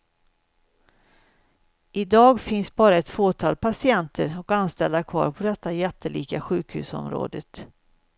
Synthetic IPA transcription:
ʔɪd̪ɑːɡfɪnsbɑːɾaɛt̪foːt̪ʰɑːlpasɪɛnt̪ʰəɾɔkanst̪ɛld̪akʰvɑ̰ːɾpʰɔd̪ɛt̪ːajɛt̪ʰːəlʔiːkaɧʉ̟ːkhʉ̟̰ːsɔ̰mɾo̰ːd̪ət̪

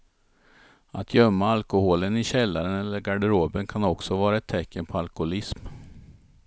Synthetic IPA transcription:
at̪ʰjœmːaalkʊhoːlənɪɕɛlːaɾənɛlːəɾɡaɖɛɾoːbənkʰanɔksɔvɑːɾaɛt̪ʰːɛkːənpʰɔalkʊʊlɪsm

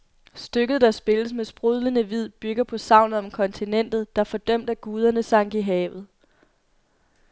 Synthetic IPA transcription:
sd̥øɡ̥ð̞̩ˠd̥ɑ̈sb̥e̝ləsmesb̥ʁuð̞ˠlənəʋið̞̰ˠb̥yɡ̥ɐpʰɒ̽sɑ̈ʊ̰nð̩ˠɒ̽mkʰɒ̽nt͡sʰinen̰d̥ð̞̩ˠd̥ɑ̈ɐfɒ̽d̥œm̰d̥æɡ̥uːð̞ˠɐnəsɑ̈ŋ̰ɡ̥iɦɛːʊð̩ˠ

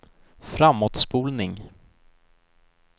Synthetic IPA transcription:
fɾamːɔt̪spuːlnɪŋ

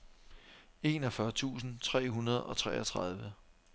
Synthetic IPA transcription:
e̝ːnɒ̽fɶɐt͡sʰṵːsn̩t͡sʰʁɛ̰ːɦunɐð̞̩ˠɒ̽t͡sʰʁɛ̰ːɒt͡sʰʁɑð̞ˠʋə

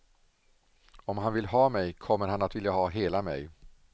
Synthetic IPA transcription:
ɔmɦanvɪlɦɑːmɛjkʰɔmːəɾɦanat̪vɪljaɦɑːɦeːlamɛ̰j

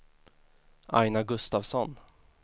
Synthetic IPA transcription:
ʔa̰jnaɡɵst̪avsɔn

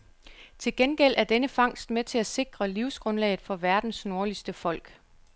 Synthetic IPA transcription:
t͡sʰe̝lɡ̥enɡ̥el̰ʔæɐd̥enəfɑ̈ŋ̰sd̥met͡sʰe̝læse̝ɡ̥ʁɐliʊsɡ̥ʁɔ̽nlɛ̰ːð̩ˠfɒ̽ʋæɐd̥n̩sno̝ɐlisd̥əfɒ̽l̰ɡ̥

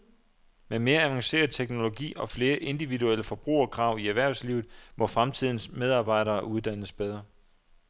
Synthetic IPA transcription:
meme̝ːɐæʋɑ̈ŋse̝̰ːɐð̩ˠt͡sʰeɡ̥no̝lo̝ɡ̥ḭːɒ̽fle̝ːɐʔe̝nd̥iʋiduel̰əfɒ̽b̥ʁṵːɐɒkʰʁɑ̈ʊ̰iæʋæɐ̰sliʊð̩ˠmɒ̽fʁamt͡sʰið̞̰ˠn̩smeð̞ˠɑ̈ːb̥ɑ̈ɪ̰ɾɐːʔuð̞ˠd̥æn̰əsb̥eð̞ˠʁɐ

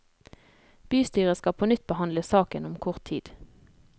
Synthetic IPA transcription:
b̥yːst̪yːʁəskɑpʰoːnʏt̪̚bəhɑnləsɑːkənʊmkʰʊʁt̪ʰḭːd̪̥

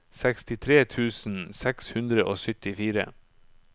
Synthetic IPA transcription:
sɛkst̪ɪt̪ʰɾeːt̪ʰʉːsn̩sɛkshʉnd̪ɾəʔoːsʏt̪ɪfiːɾə̰

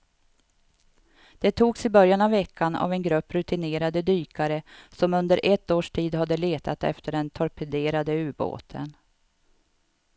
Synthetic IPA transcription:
d̪̥ɛt̪ʰuːɡsɪbœɾjanavːɛkʰːana̰vɛnɡɾɵpːɾɵt̪ɪneːɾad̪əd̪yːkʰaɾəsɔmɵnd̪əɾʔɛt̪ːoːʂʈʰiːd̪had̪ːəleːt̪ʰat̪ɛ̰ft̪ʰəɖɛnt̪ʰɔɾpʰɛd̪eːɾad̪əʉ̟ːɾbo̰ːt̪ʰə̰n

